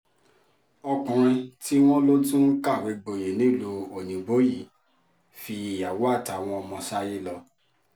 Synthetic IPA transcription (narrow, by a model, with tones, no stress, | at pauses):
ɔ˧kɔ̃˨ɾ̃ĩ˧ti˦w̃ɔ̃˦lo˦dũ˦ka˦˨we˨˦ɡ͡bo˨je˨nĩ˨˦˨lu˨˧o˨nĩ˨ɡ͡bo˨˦ji˦˨ | fi˧i˨ja˨wo˦a˦˨ta˨˦˨w̃ɔ̃˧ɔ˧mɔ̃˧ʃa˦ji˦lɔ˧